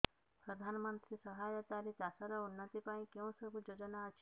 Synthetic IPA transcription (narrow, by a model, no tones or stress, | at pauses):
pɾɔd̪ʱanmənt̪ɾisɔɦajɔt̪aɾit͡ʃasɔɾɔunːət̪ipaĩkjẽw̃sɔbʱud͡ʒod͡ʒɔnaɔt͡ʃʰi̥